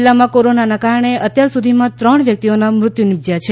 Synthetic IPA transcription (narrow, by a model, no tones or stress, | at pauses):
lːamãkoɾonanakaɾɳ̃eət̪jaɾsud̪ʱimãt̪ɾəɳʋjək̚t̪ionamɾʊt̪junɪb̚d͡ʒjat͡ʃʰe